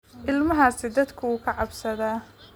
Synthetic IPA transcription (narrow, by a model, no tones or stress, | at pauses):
ʔɪlmɐɦaːsɪd̪ɐd̪kʰʊuːkʰɐʕɑbsɐðaː